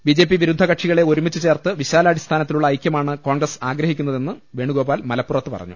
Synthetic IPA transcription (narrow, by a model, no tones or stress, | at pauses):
bid͡ʑe̞ːp̬ːiʋiɾud̪ʱːɐkɐʈʂiɣɐɭe̞o̞ɾumit͡ɕːɨt͡ɕe̞ːrt̪ɨʋiɕaːlɐɐɽist̪ʰaːnɐt̪ːiluɭːɐːjkʲjɐmaːɳɨko̞ːŋɡrɐsaːɡɾɐhikʲːunːɐðe̞nːɨʋe̞ːɳuɡo̞ːbaːlmɐlɐpːurɐt̪ːɨpɐ̰rɐ̰ɲːṵ